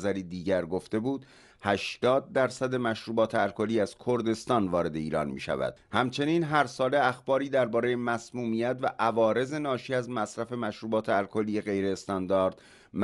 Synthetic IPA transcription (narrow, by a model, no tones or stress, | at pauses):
zæɾiːd̪iːɟæɾɡo̞ft̪e̞buːd̪ | hæʃt̪ɒːd̪̚ːæɾsæd̪e̞mæʃɾuːbɒːt̪ʰeælkʰoliːæz̥kʰo̞ɾd̪e̞st̪ɒːnvɒːɾe̞d̪e̞ḭːɾɒ̰ːnmḭːʃæ̰væ̰d̪̥hæmt͡ʃʰe̞niːnɦæɾsɒːle̞æxbɒːɾiːd̪æɾbɒːɾe̞jemæsmuːmijæt̪væʔævɒːɾe̞ze̞nɒːʃiːæzmæsɾæfe̞mæʃɾuːbɒːt̪ʰeælkʰoliːje̞ɣe̞jɾe̞ːst̪ɒːnd̪ɒːɾd̪̥ | m